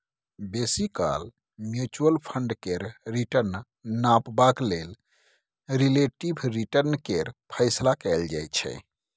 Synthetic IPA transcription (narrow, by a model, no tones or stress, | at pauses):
besika̰l | mjut͡ʃuəlpʰəɳɖkeɾɾiʈəɾn | napbaklel | ɾileʈibʱɾiʈəɾnkeɾpʰəɪslakɛld͡ʒa̰jt͡ʃʰɛ̰